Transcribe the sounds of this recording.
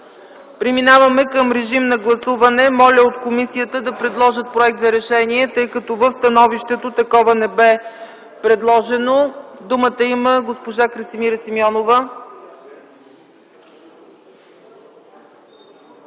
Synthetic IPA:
pɾiminavɐmɛkəmɾɛʒimnɐɡlˠɐsuvɐnɛmɔlʲəot̪komisijət̪əd̪ɐpɾɛd̪lˠɔʒət̪̚pɾoɛk̚t̪zɐɾɛʃɛniɛt̪ɤjkɐt̪ɔvəfst̪ɐnɔviʃt̪ɛt̪ot̪ɐkɔvənɛbɛ | pɾɛd̪lˠɔʒɛnod̪umət̪əiməɡospoʒakɾɐsimiɾəsimɔnovə

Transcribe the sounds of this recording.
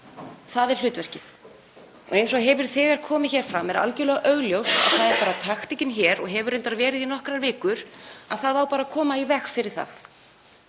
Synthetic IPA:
θaðɛɾ̥l̥ʏːt̪vɛr̥cɪθ | ɔ̰ɣejns̬ɔɣɦɛvɪɾ̥θɛːɣaɾ̥kʰɔːmɪ̥çɛːɾ̥fɾamɛɾa̰lcɪlɛɣaʔœɣljowst̪a̰ðθaðɛɾpaːɾat̪ʰaxt̪icɪnçɛːɾɔɣɦɛvʏɾejnt̪aɾvɛːɾɪðinɔhkɾaɾvɪːkʏɾ̥aðθaðawpaːɾakʰɔːmaivɛxfɪɾɪɾ̥θa̰θ

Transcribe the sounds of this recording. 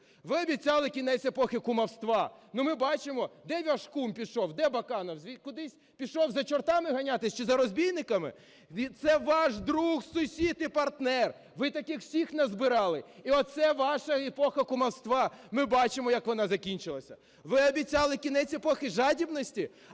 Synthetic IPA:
ʋɪɐbʲit͡sʲɑlˠɪkʲinɛt͡sʲepɔxɪkʊmɐwst̪ʋɑnʊmɪbɑt͡ʃɪmɔd̪ɛʋʲɐʃkumpʲiʃɔwd̪ɛbɐkɑnɔwzʲikʊd̪ɪsʲ | pʲiʃɔwzɐt͡ʃɔrt̪ɑmɪɦɐnʲat̪ɪsʲt͡ʃɔzɐɾɔzʲbʲijnɪkɐmɪ̰ | t̪sɛʋɑʃd̪ɾuxsʊsʲit̪ipɐrt̪nɛr | ʋɪt̪ɐkɪxw̥sʲixnɐzbɪɾɑlˠɪiɔt̪̚sɛʋɑʃɐepɔxɐkʊmɐwst̪ʋɑmɪbɑt͡ʃɪmɔjɐkʋɔn̪ɑzɐkʲinʲt͡ʃɪlˠɐsʲɐ | ʋɪɐbʲit͡sʲɑlˠɪkʲinɛt͡sʲepɔxɪʒɑdʲibnɔsʲtʲi

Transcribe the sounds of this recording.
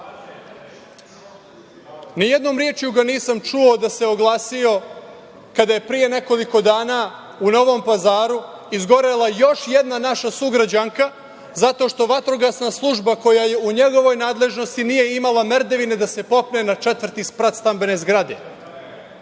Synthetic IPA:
nijed̪no̞ːmɾjeːt͡ʃjuɡaniːsamt͡ʃuod̪ase̞oɡlˠaːsio̞ | kad̪aje̞pɾije̞ne̞ko̞liko̞d̪aːna | uno̞ʋo̞mpazaːɾu | izɡo̞ɾelajo̞ʃjed̪nanaʃasuɡɾad͡ʑaŋka | zat̪o̞ʃt̪o̞ʋat̪ɾoɡasnaslˠuʒbako̞jaje̞uɲe̞ɡo̞ʋo̞jnaːd̪le̞ʒno̞st̪inije̞imalˠameɾd̪eʋine̞d̪ase̞po̞pne̞nat͡ʂet̪ʋr̩t̪ispɾat̪st̪ambe̞ne̞zɡɾad̪e̞

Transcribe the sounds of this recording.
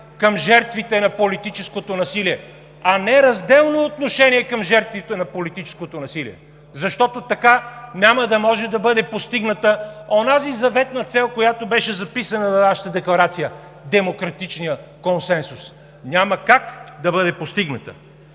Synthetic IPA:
kəmʒɛɾt̪vit̪ɛnɐpolit̪it͡ʃɛskot̪onɐsiliɛ | ɐnɛɾɐzd̪ɛlˠnoːt̪noʃɛniɛkɐmʒɛɾt̪vit̪ɛnɐpolit̪it͡ʃɛ̥skot̪onɐsilḭɛ | zɐʃt̪ɔt̪ot̪ɐkanʲaməd̪ɐmɔʒɛd̪ɐbɤd̪ɛpost̪iɡnət̪əonazizɐvɛt̪nɐt̪sɛlˠkojat̪obɛʃɛzɐpisənəvɐnaʃə̥t̪əd̪ɛklˠɐɾat̪sijə | d̪ɛmokɾɐt̪it͡ʃnijəkonsɛnsus | nʲaməkakd̪ɐbɤd̪ɛpost̪iɡnət̪ə̰

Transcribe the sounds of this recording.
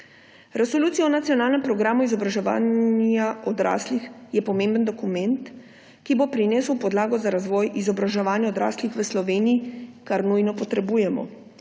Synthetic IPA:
ɾɛsoluːt̪sijɔɔnat̪sijɔnaːlnɛmpɾɔɡɾaːmuizɔbɾaʒɛʋa̰ːnjaɔd̪ɾa̰ːslixjɛpɔmẽmbənd̪ɔkumɛnt̪ | kibopɾineːsuwpɔd̪laːɡɔzaɾazʋɔːjʔizɔbɾaʒɛʋaːnjɛod̪ɾa̰ːslixʋəslɔʋeːniikaɾnujnɔpɔt̪ɾɛbuːjɛmɔ̰

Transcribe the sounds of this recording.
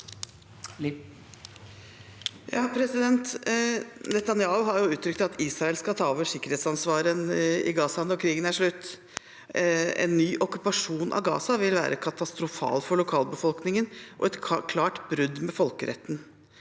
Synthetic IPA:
jɑːpʰɾɛsɪd̪ɛnt̪ | nɛt̪ɑnjɑːʊɦɑɾjʊʉːt̪ːʰɾʏk̚t̪ɑt̪ʰiːsɾɑɛlskɑt̪ʰɑːoːʋəʂɪkːəɾheːt̪sɑnsʋɑːɾənɪ̰ɡɑːsɑnɔkʰɾiːɡənæʂɭʉt̪ː | ɛ̰nːyːʔɔkʉpɑʂuːnʔɑ̰ʋɡɑ̰ːsɑʋɪlʋæ̰ːɾʔəkʰɑt̪ɑst̪ɾʊfɑ̰ːlfɔɭʊkʰɑːlbəfɔlknɪŋənʔɔ̰ɛt̪kʰlɑːʈbɾʉd̪mɛfɔlkəɾɛ̰t̪ːən̩

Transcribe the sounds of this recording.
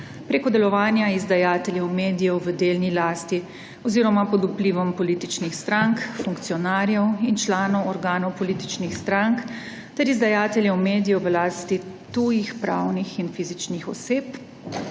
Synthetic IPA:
pɾeːkɔd̪ɛlɔʋaːnjaizd̪ajaːt̪ɛljɛwmeːd̪ijɔʋəd̪eːlnilaːst̪i | ɔziːɾɔmapɔd̪upliːʋɔmpɔliːt̪it͡ʃnixst̪ɾaŋkfuŋkt̪sijɔnaːɾjɛwint͡ʃlaːnɔwɔɾɡaːnɔwpɔliːt̪i̥t͡ʃnixst̪ɾaŋk | t̪ɛɾizd̪ajaːt̪ɛljɛwmeːd̪ijɔʋəlaːst̪i | t̪uːjixpɾawnixinfizit͡ʃnixɔseːp

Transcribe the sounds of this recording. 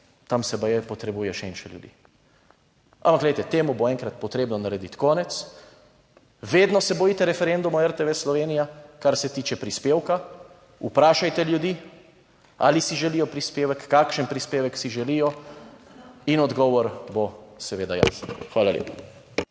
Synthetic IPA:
t̪amsɛbajɛpɔt̪ɾɛbuːjɛʃɛɛnʃɛljṵd̪ḭ | ʔa̰mpakɡlɛjt̪ɛt̪eːmuboɛ̃ŋkɾat̪̚pɔt̪ɾeːbnɔnaɾɛd̪it̪kɔːnɛt̪s | ʋeːd̪nɔsɛbɔjit̪ɛɾɛfɛɾɛ̃nd̪umɔɛɾt̪ɛʋɛslɔʋeːnijakaɾsɛt̪iːt͡ʃɛpɾispeːwka | upɾaːʃajt̪ɛljud̪iː | alisiʒɛlijɔpɾispeːʋɛkːaːkʃənpɾispeːʋɛksiʒɛliːjɔ | inɔd̪ɡɔːʋɔɾbosɛʋeːd̪aja̰ːsnxʋaːlaljḛːpḁ

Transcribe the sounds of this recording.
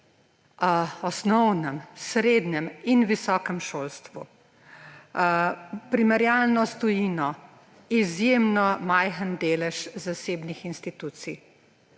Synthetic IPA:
ɔsnɔwnɛmsɾeːd̪nɛminʋisɔːkɛmʃoːlst̪ʋṵ | pɾimɛɾjalnɔst̪ɔjiːnɔ | izjemnɔmajxənd̪eːlɛʃzaseːbnixinst̪it̪uːt̪sij

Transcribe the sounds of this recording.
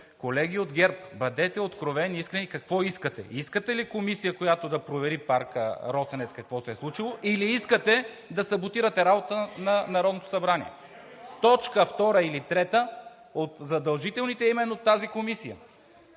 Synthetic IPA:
kolɛɡ̟iod̪ɡʲɛɾpbɐd̪ɛt̪ɛot̪kɾovɛniiskɾɛnikɐkvɔiskət̪ɛ̰iskət̪ɛlikomisijəkojat̪od̪ɐpɾovɛɾipaɾkə̰ɾɔsɐnɛtskɐkvɔsɛslˠut͡ʃilˠoʔiliiskət̪ɛ | d̪ɐsɐbot̪iɾət̪ɛɾabot̪ənɐnɐɾɔd̪not̪o̥sɐbɾanḭɛ̰ | t̪ɔt͡ʃkəft̪ɔɾəilit̪ɾɛt̪ə | ot̪zɐd̪ɐlˠʒit̪ɛlˠnit̪ɛimɛnːot̪ːazikomisijə̰

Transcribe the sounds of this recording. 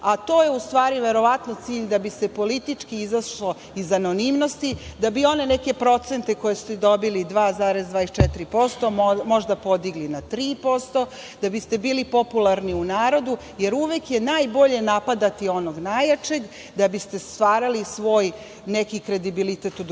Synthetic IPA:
at̪o̞ːjeust̪ʋaːɾiʋe̞ɾo̞ʋat̪not̪siːʎd̪abist̪epo̞lit̪it͡ʂkiizaʃlo̞ | izano̞nimno̞st̪id̪abio̞ne̞nɛke̞pɾo̞t̪se̞nt̪e̞ko̞jesu̥t̪ɛd̪o̞bilid̪ʋaːzaːɾezd̪ʋaːest͡ʃɛt̪iɾipo̞st̪o̞mo̞ʒd̪apo̞d̪iɡlinat̪ɾiːpo̞st̪o̞ | d̪̥abist̪e̞biːlipo̞pulˠaɾniunaːɾo̞d̪u | je̞ɾuʋekje̞najbo̞ʎe̞napad̪at̪io̞noɡnajat͡ʃe̞ɡ | d̪abist̪e̞st̪ʋaːɾalisʋo̞ːj | nekikɾe̞d̪ibilit̪et̪ud̪

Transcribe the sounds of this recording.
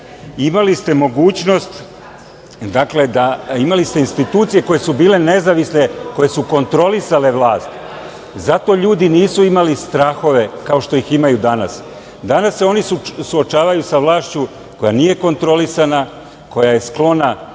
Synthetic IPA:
imalist̪e̞mo̞ɡuːt͡ɕno̞st̪ | d̪akle̞d̪aimalist̪e̞inst̪it̪uːt̪sije̞ko̞je̞subiːle̞ne̞zaʋisne̞ko̞je̞suko̞nt̪ɾo̞lisale̞ʋlˠaːst̪ | zat̪o̞ʎuːd̪iniːsuimalist̪ɾaxo̞ʋe̞kao̞ʃt̪o̞jiximajud̪ana̰s | d̪anasːeo̞nisusuo̞t͡ʃaːʋajusaʋlˠaːʃt͡ɕu | ko̞janije̞ko̞nt̪ɾo̞lisana | ko̞jaje̞sklˠo̞na

